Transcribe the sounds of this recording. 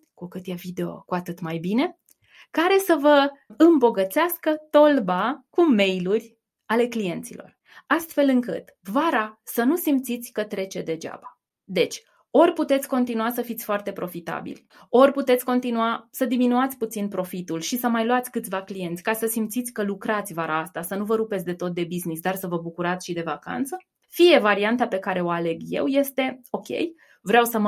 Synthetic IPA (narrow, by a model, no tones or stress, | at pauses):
kukɨt̪jevid̪e̞o̞̰kuat̪ɨt̪majbine̞ | kaɾe̞səvəɨmbo̞ɡət̪seaskət̪o̞lbakume̞jlurʲ | ale̞klije̞nt̪sḭlo̞̰r | ast̪fe̞lɨŋkɨ̰t̪ | vaɾasənusimpt̪sit̪sʲkət̪ɾe̞t͡ʃe̞d̪e̞d͡ʒa̰ba | d̪e̞t͡ʃʲ | o̞rʲput̪et̪sʲko̞nt̪inuasəfit̪sʲfoart̪e̞pɾo̞fit̪a̰bḭlʲ | o̞rʲput̪e̞t̪sʲko̞nt̪inuasəd̪iminuat̪sʲput̪sinpɾo̞fit̪ulʃisəmajluat̪sʲkɨt̪sʲvaklije̞nt̪sʲkasəsimpt̪sit̪sʲkəlukɾat̪sʲvaɾaast̪asənuvəɾupet̪sʲd̪e̞t̪o̞t̪̚d̪e̞biznisd̪arsəvəbukuɾat̪sʲʃid̪e̞vaka̰nt̪sə | fije̞vaɾiant̪ape̞kaɾe̞o̞ale̞ɡje̞̰wje̞st̪e̞o̞kʲe̞̰j | vɾeawsəm